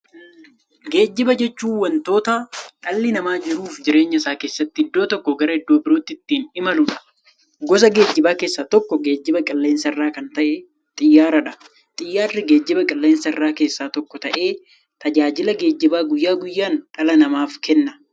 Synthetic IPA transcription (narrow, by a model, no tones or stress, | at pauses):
ɡe̞ːd͡ʒːɪbɐd͡ʒɛt͡ʃːuːwɐnt̪o̞ːt̪aᶑɐlːɪnɐmaːd͡ʒɪɾuːfd͡ʒɪɾe̞ːɲːɐɪsaːke̞ːsːɐt̪ːɪɪd̪ːo̞ːt̪ɔkːɔɡɐɾɐɪd̪ːo̞ːbɪɾoːt̪ːɪɪt̪ːiːnɪmɐlʊᶑɐ̥ | ɡɔs̬ɐɡe̞ːd͡ʒːɪbaːke̞ːsːaːt̪ɔkːɔɡe̞ːd͡ʒːɪbɐkʼɪlːe̞ːnsɐɪrːaːkɐnt̪ɐʔɛ | t̪ʼɪjːaːɾɐᶑɐ | t̪ʼɪjːaːrːɪɡe̞ːd͡ʒːɪbɐkʼɪlːe̞ːnsɐɪrːaːke̞ːsːaːt̪ɔkːɔt̪ɐʔe̞ː | t̪ɐd͡ʒaːd͡ʒɪlɐɡe̞ːd͡ʒːɪbaːɡʊjːaːɡʊjːaːnᶑɐlɐnɐmaːfkɛnːɐ